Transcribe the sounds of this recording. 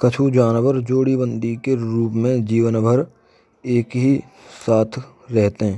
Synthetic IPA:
kɐt͡ʃʰud͡ʒaːnʋəɾd͡ʒoːɽibə̃nd̪ʱikeɾuːpmẽd͡ʒiːʋənbʱəɾ | eːkɦi | saːt̪ʰ | ɾɛɦt̪eɦɛ̃ː

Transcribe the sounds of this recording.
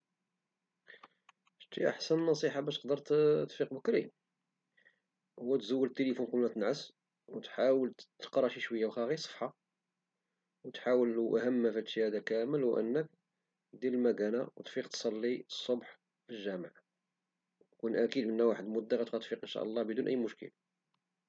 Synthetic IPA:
ʃt̪iʔa̰ħsənnːɑsˤiħabæʃt̪ə̥q̚d̪əɾˤt̪t̪fiqbəkɾḭ | wːæt̪zuwːəlt̪ːelifunkumnæt̪ənʕəs | wt̪ħawəlt̪ə̥qɾˤɑʃiʃwəjːawxæɣisˤə̥ħːa | wt̪ħawəluʔæ̰hæmːæfæt̪ʃihæd̪ækæməlwʔə̰nːək̚ | d̪iləlmæɡænawt̪fiqt̪sˤɑlːisˤːobħ | filʒæmʕ | kunʔækid̪mənːæwaħəd̪mʊd̪ːaɣæt̪æt̪fiqʔənʃæ̰ʔəlˤːɑhbəd̪unʔæ̰jːmʊʃkə̰l

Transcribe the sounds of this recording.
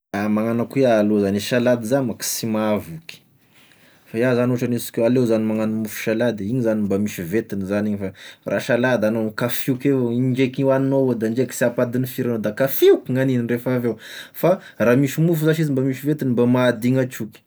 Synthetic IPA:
amaŋanakuealozaniʃalad̪izanmaki̥simavuki̥ | faiazanoʈ͡ʂanisi̥kʲoalewzanimaŋanəmufu̥ʃalad̪eiɲizanimbamiʃivet̪inizaniɲifarʔa̰ʃalad̪anomkafiukevoiɳd͡ʒekiannowed̪aɳd͡ʒeki̥siapad̪inifiɾanod̪akafiukʲiŋanininrefavefa | raːmiʃimufuzaʃizimbamiʃivet̪inimbamad̪iŋat͡ʃukʲi̥

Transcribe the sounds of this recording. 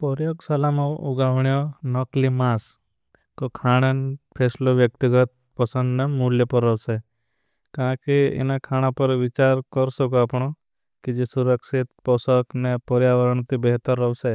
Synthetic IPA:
pɔɾjoɡsalamãʊɡaʋɳijonɔklimas | kokʰaːɽ̃enpʰeːsloʋjək̚t̪iɡət̪̚ | pɔsə̃nd̪nemuljɔpɔɾːɔʋse | kãkeɪ̰nakʰaːɽ̃ãpəɾʋɪt͡ʃaːɾkɔɾsɔkoaːpɳ̃o | kid͡ʒesuɾəksɪt̪pɔsɔknepɔɾjaːʋəɾəɳt̪ibeɦt̪əɾːɔʋse

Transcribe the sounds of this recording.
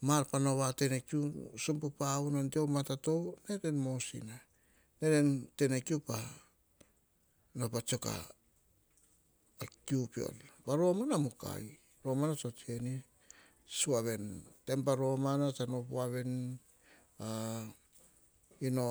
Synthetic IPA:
maɾpanoβate̞nekiusompupaunontiomatato̞wne̞ɾe̞nmo̞sḭna | ne̞ɾente̞nekiupa | nopat͡ʃoka̰ | akiupio̰lpaɾo̞manamuka̰j | ɾo̞manat͡ʃo̞tie̞ni | suaβe̞nte̞mpaɾo̞manatanopuaβe̞n | a | ino

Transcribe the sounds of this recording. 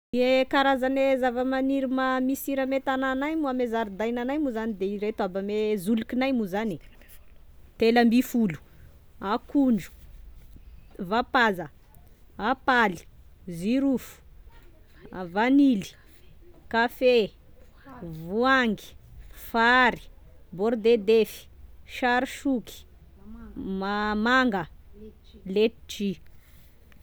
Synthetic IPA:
iekaɾazanezavəmaniɾimamisiɾəmet̪ananajmuamezaɾid̪ajnanajmuzanid̪eiɾet̪uabamezulukinajmuzani | t̪elambifulu̥ | akuɳɖ͡ʐu̥ | vapazə | apali̥ziɾufu̥ | avanili̥ | kafe | vuaŋɡi̥faɾi̥bɔɾd̪ed̪efi̥ʃaɾiʃuki̥ | mamaŋɡə | let̪ʈ͡ʂi

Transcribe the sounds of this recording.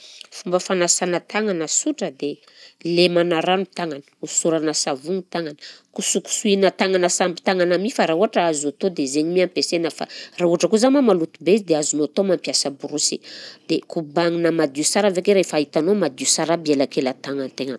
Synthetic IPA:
fumbəfanasanət̪aŋanəsuʈ͡ʂəd̪e | lemanaɾanut̪aŋanə̥usuɾanəsavuŋit̪aŋanə̥kusuku̥suinət̪aŋanəsambi̥t̪aŋanamifaɾauɦaʈ͡ʂəazat̪od̪ezeɲimiampesenəfa̰rauaʈ͡ʂəkuzamamalut̪ubeizid̪eazunot̪omampjasəbuɾusid̪̥ekubaŋinəmad̪iusaɾavekeɾefait̪anomad̪usaɾabielakelət̪aŋant̪eŋa

